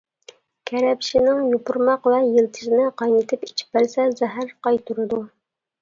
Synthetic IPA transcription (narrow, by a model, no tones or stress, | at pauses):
kʲʰɛɾɛpʃinɪŋjupʊɾmɑqvɛjilt̪ʰɪ̥ʃɪnɪqʰɑjnɨt̪ʰɪpit͡ʃʰɪ̥p̚bæɾsɛzɛɦæɾqɑjt̪ʰuɾɨd̪u